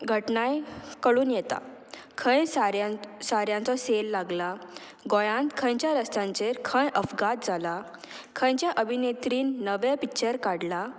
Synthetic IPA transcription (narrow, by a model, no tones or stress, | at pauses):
ɡʱəʈnajkəɭuːnjɛt̪a̰kʰə̃jsaɾsaɾjãnt͡sɔselːaɡla | ɡɔjãnt̪kʰə̃jt͡ɕjaɾəst̪ãɲt͡ɕeɾkʰə̃jʔəfɡat̪̚d͡zʱala | kʰə̃jt͡ɕjaʔəbʱinet̪ɾiːnːəʋepit͡ɕəɾkaɽla